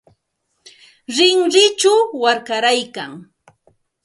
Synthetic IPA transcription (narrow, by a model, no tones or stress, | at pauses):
ɾɪŋɾɪt͡ʃawaɾkaɾajkaŋ